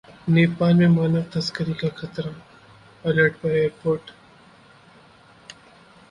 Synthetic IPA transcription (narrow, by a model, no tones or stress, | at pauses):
neːpaːlmẽmaːnəʋt̪ɐskəɾikaxʰɐt̪ɾa | ɐləʈpɐɾeːɾpoːɾʈ